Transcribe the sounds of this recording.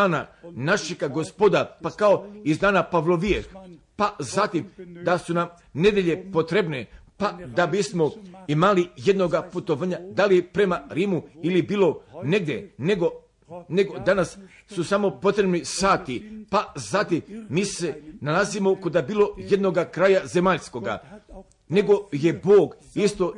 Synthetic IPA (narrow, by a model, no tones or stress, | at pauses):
aːna̰naʃeɡaɡospod̪apakaoizd̪aːnapaʋloʋiex | pazat̪imd̪asunam | ne̞d̪je̞ʎe̞po̞t̪ɾebnepad̪abismo̞imalije̞d̪no̞ɡaput̪oʋaːɲad̪alijepɾe̞maɾiːmuilibiːlo̞ne̞ɡd̪ʲjḛneɡo | neɡod̪anasː | usamo̞po̞t̪ɾe̞bnisaːt̪ipazat̪imːiːse̞nalazimo̞kod̪abiːlo̞je̞d̪no̞ɡakɾajaze̞maʎsko̞ɡa̰ | ne̞ɡo̞je̞boːɡ | ist̪o̞